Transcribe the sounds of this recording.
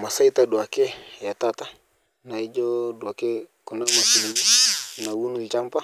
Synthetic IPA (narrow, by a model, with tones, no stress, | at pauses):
ma˨sa˦itadu˨a˨kɛ˦ja˨tata˨ | na˨i˦d͡ʒɔdu˨a˨kɛkɔ˨na˦ma˨ki˨ni˨ɲi˦na˨wu˦nu˦it͡ʃa˦mpa˦